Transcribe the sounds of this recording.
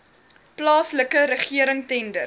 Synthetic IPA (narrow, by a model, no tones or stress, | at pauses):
plɑːsləkəɾəχiəɾəŋtɛndər